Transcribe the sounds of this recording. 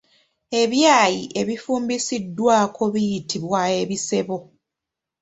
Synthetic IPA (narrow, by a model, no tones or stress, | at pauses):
e̞βjaːjiʔe̞βifuːmbisidːwaːkʰo̞βijitʰiβwae̞βise̞βo̞